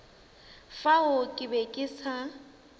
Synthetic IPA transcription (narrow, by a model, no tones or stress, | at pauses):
faʊkʼɪbekʼɪsa